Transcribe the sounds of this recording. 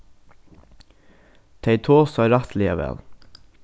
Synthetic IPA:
t̪ʰeɪt̪ʰoːsɑɾɑt̪ʰliːə̰ʋɛ̰l

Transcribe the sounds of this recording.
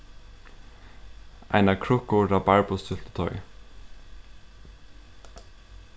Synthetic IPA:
ʔæ̰ɪnɑkʰɹʊkʊɾɑːbæɹbʊst̪ʰʏlt̪ə̥t̪ʰɔʏ

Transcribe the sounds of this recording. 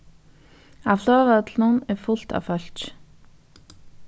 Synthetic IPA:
avlœːvat̪lnʊnɛɾfʊl̥t̪a̰vfœɬt͡ʃ

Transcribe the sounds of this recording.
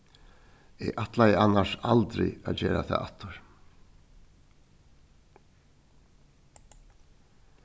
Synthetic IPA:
ɛʔaht̪lajɪanːasalt̪ɾɪ̰aðd͡ʑɛːɾa̰θa̰ða̰ht̪ːʏɾ̥

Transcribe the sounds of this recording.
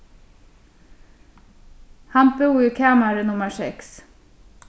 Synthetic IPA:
hæmpəuːəkʰæːmæːɾənʊməsɛks

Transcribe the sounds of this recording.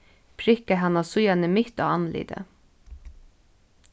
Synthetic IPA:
pʰɾɪkəɦɑnɑsʊjɑnəmʏt̪o̰ːɑnlḭd̪ə̰

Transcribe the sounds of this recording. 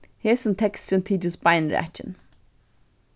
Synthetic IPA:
hisə̃nt̪ʰɛkstə̃nt̪ʰid͡ʒəsbaɪə̃nɹḭæ̰t͡ʃə̰̃n

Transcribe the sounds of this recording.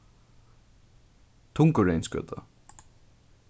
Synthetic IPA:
t̪ʰʊŋkəɹɛjnskœ̰ːt̪ʰa̰

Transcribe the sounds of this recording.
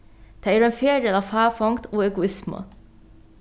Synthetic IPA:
d̪̥æːæːɾeːnfeːdeːlɑːʋfæːfɔŋt̪oːɛɡʊɪsmə̰

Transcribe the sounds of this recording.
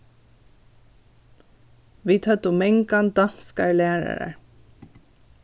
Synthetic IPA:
ʋiːt̪ʰœt̪ʊmɛŋɡɑnd̪ɑnskəɹlæːɹə̰ɹə̰ɹ

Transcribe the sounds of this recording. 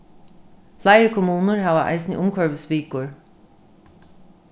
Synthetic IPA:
flæɪɹkʰʊmuːnəɹhɑːʋəʔɑ̰ɪsnə̰ʔʊmkʰœɹʋəspiːkʊɹ

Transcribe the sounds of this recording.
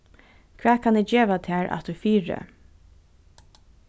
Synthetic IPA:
kʰvɛːkʰanɛd͡ʒeːʋat̪ʰæːɹʔa̰t̪d̪ʉfiːɹə̰

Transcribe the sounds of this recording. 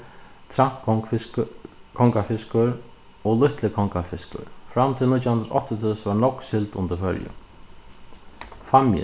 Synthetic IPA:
t̪ʰɾamk | kʰɔŋkafɪskʊɾ | ɔlʊht̪lɪkʰɔŋkafɪskʊ̰ɾfɾamt̪ʰɪlnit̪jaɦʉnd̪ɾaʔɔ̰ht̪ɪt̪ʰɪsʋaɳɔkːsɪlt̪ʊnt̪əɾfœɾjə̰ | famjɪ̰

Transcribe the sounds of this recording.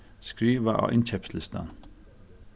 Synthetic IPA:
skɹiːʋəʔɑ̰ːʔɪnc͡çɛpslɪst̪ə̰n

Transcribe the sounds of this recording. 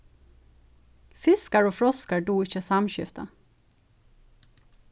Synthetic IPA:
fɪskəɹoːfɹɔskəɖuːɪçəsɑmʃʏ̰ft̪ə

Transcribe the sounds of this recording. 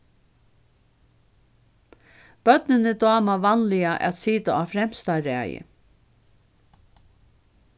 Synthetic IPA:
b̥œt̪̚nɪnɪd̪ɑːmaʋanlɪaʔɛ̰t̪siːt̪aaːfɾɛm̥st̪aɾæ̰ːjɪ̰

